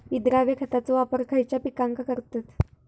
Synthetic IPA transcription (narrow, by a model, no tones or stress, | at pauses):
id̪ɾaʋekʰət̪at͡sɔʋapəɾkʰəjt͡ɕjapikaŋkakəɾt̪at̪